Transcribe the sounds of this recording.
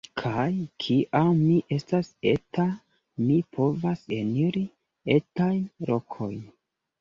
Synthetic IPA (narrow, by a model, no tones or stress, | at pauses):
kʰajkʰiʔamːiʔe̞staseta | mipʰo̞vase̞niɾi | e̞tajnɾo̞kʰo̞jn